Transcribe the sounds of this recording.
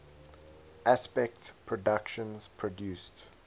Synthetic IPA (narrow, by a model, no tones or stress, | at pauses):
ʔaspɛk̚tpʰɹɔdakʃə̃nz̥pʰɹɔdjuːst